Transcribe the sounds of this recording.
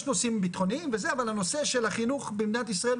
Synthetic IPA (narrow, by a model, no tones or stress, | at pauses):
ʃno̞simbit̪χo̞niimvezeavalhano̞se̞ʃelhaχinuχbimnat̪isʁael